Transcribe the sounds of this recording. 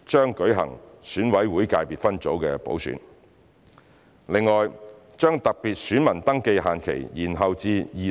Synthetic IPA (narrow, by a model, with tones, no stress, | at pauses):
t͡ʃœː˥ŋkɵ˨˥ɥɦɐ̰˨˩ŋsyː˨˥nwɐ˨˥jwuː˨˥jkaː˧jpiː˨t̚fɐ˥nt͡so˨˥wkɛː˧po̰˨˥wsy̰˨˥n | lɪ˨˧ŋːɔː˨j | t͡ʃœː˥ŋt̪ɐ˨k̚piː˨t̚syː˨˥nmɐ˨˩nt̪ɐ˥ŋke˧jɦaː˨nkʰḛ˨˩jjiː˨˩nɦɐ˨wt͡siː˧jiː˨